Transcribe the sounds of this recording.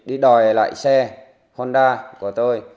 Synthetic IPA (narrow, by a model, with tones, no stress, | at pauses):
ɗi˧ɗɔ˨˩jla̰ː˧˨jsɛ˧ | ho˧nɗaː˧ku˧˩ət̪o˧j